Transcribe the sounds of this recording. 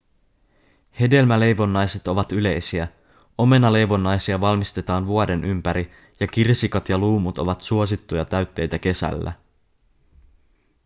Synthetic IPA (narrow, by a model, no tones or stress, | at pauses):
he̞de̞lmæle̞jʋo̞nːɑjse̞t̪o̞ʋɑt̪yle̞jsiæ | o̞me̞nɑle̞jʋo̞nːɑjsiɑʋɑlmist̪e̞t̪ɑːnʋuode̞nʔympæɾi | jɑk̟irsikɑt̪jɑluːmut̪o̞ʋɑt̪suos̬it̪ːujɑt̪æɥt̪ːe̞jt̪æk̟e̞sæ̰lːæ̰